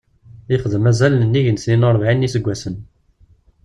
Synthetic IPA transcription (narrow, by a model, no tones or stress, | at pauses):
iχəðəmæzælnənːiʝənsninəɾˤvʕinːisəɡʷːæsən